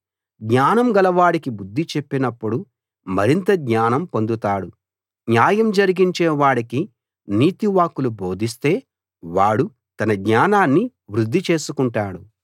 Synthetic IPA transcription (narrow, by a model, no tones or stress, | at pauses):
ɡɲaːnɐmɡɐlɐʋaːɽikibud̪ʱːit͡ʃe̞pːinɐpːuɽu | mɐɾint̪ɐɡɲaːnɐmpo̞nd̪ut̪aːɽu | njaːjɐmd͡ʒɐɾiɡiɲt͡ʃeːʋaːɽiki | niːt̪iʋaːkːulubo̞ːd̪ʱis̬t̪e̞ː | ʋaːɽu | t̪ɐnɐɡɲaːnaːnːi | ʋɾud̪ːit͡ʃe̞ːsukuɳʈaːɽu